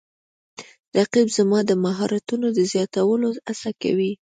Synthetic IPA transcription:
ɾaqibzamɑd̪əmaɦɑɾat̪unod̪əzjɑt̪awəloasaka̰wi

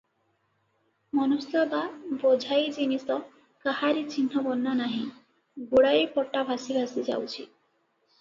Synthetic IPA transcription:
mɔnost̪ɔbabɔd͡ʒʱajd͡ʒinisɔ | kahaɾit͡ʃinɦɔbɔnːanaɦĩ | ɡoɽajpɔʈːabʱasibʱasid͡ʒa̰wt͡ʃʰḭ

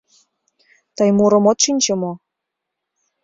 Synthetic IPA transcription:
t̪ɤjmuɾə̆mot̪ʃinʲt͡ɕemo

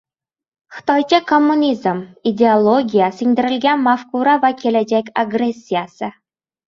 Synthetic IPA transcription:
χɤ̥̆t̪ɑjt͡ɕekomːunʲizmidʲeolˠoɡʲijasʲɘ̆ŋʲd̪ɘ̆ɾɘ̆lʲɡʲænʲmafkuɾɑvakʲelʲɛd͡ʑɛkʲaɡresʲːijasɘ̆

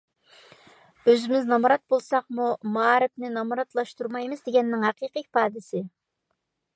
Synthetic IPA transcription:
øzɪmɪznɑmɾɑt̪̚bolˠsɑqmumɑːɾɪpnɪnɑmuɾɑt̪lˠɑʃt̪uɾmɑjmɨzd̪eɡʲɛnːɪŋɦɑqʰiːqik̚ʲpʰɑːd̪ɪsɪ

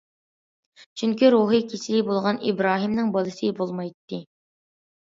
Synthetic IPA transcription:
t͡ʃʰyŋkʲiɾuɦɨkʲʰisibolˠʁɑnḭbɾɑːɦimnɪŋbɑlˠɨsɨbolˠmɑjt̪ːɪ

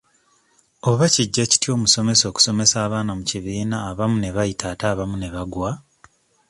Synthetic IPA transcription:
oβaciɟːaci̥tjo̞ːmuso̞me̞so̞ːku̥so̞me̞saːβaːnamuciβiːnaːβamune̞βajitʰaːtaːβamune̞βaɡwa

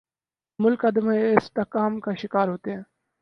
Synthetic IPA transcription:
mʊlkad̪əmaɪst̪akaːmkʰaːʃɪkaːɾɦoːt̪eɛ̃ː

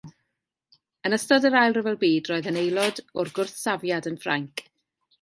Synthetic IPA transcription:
ənəstɔdəɾajlˠrəvɛlˠbiːdroːɨðənejlˠɔdɔrɡʊrθsavjadənfra̰ŋkʰ

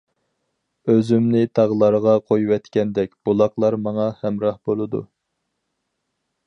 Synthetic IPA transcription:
øzymnɪt̪ʰɑʁlˠɑɾəʁɑqʰojuwɛt̪kʲɛnd̪ɛkʲb̥olˠɑqlˠɑɾmɑŋɑhɛmɾɑhbolˠɨd̪ṵ

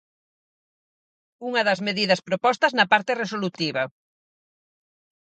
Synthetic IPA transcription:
uŋɐðɐzmeðiðɐspɾopɔst̪ɐznɐpaɾt̪eresolut̪iβɐ

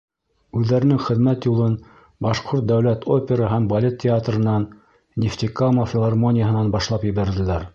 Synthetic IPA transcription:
ʉðːæɾɘ̆nɘŋχɘ̆ðmæt̪julˠɤn | bɑʃqoɾt̪̚d̪æwlæt̪ʰopʲeɾɑɦæmbɐlʲet̪̚ʲʰːɪat̪rɤ̆nɑnːʲ | eft̪ʲikamofʲɪlˠɑrmonʲɪjəɦɤ̆nɑnbɑʃlˠɑpjɘ̆βæɾðɘ̆læɾ

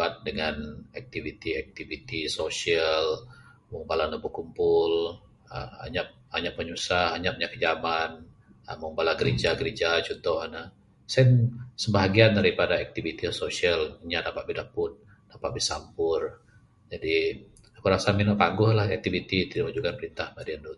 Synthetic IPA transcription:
at̪̚dəŋanak̚t̪ivit̪iɛk̚t̪ivit̪isosiəl | mɔbalanəbukumpʊl | ə̰a̰ɲaʔ̚aɲaʔ̚məɲusahaɲap̚ɲaʔkəd͡ʒaman | ə̰mɔmbalaɡəɾed͡ʒaɡəɾed͡ʒat͡ʃunt̪ɔhana | sɛnsəbaɦaɡiandaɾipadaɛk̚t̪ivit̪iasosialiɲadapat̪̚bidaʔpʊn̚ | dapat̪̚bisa̰mpʊr | d͡ʒadi | akuɾasaminɔpaŋɡʊhlahɛk̚t̪ivit̪it̪idalud͡ʒukanpəɾint̪ahbadiandut̪

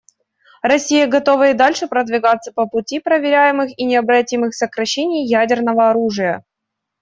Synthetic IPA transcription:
rɐsʲijəɡɐt̪o̞vəɪd̪alʲʂɨpɾəd̪vʲɪɡat̪sːəpəpʊtʲipɾəvʲɪɾʲæjɪmɨxinʲɪɐbɾɐtʲimɨxsəkɾɐɕːenʲɪjjædʲɪrnəvəɐɾuʐɨjə

